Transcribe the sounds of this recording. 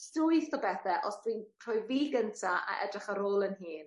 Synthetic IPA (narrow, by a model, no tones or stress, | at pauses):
stʊɨθɔbɛθɛʔɔsd̥winpʰr̥ɔːjviːɡəntʰaʔa̰ʔɛ̰drɪχəɾoːlˠənɦiːn